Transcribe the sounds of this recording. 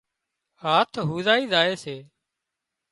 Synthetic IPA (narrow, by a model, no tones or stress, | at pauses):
ɦaːt̪ʰɦuːzaːiːzaːeːseː